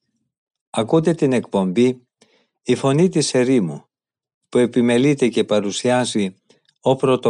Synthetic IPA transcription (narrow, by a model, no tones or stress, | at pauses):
ɐkud̪e̞t̪ine̞kpo̞mbi | ifo̞nit̪̬ise̞ɾimu | pue̞pime̞lit̪e̞ce̞pɐɾusiɐzi | o̞pɾo̞t̪o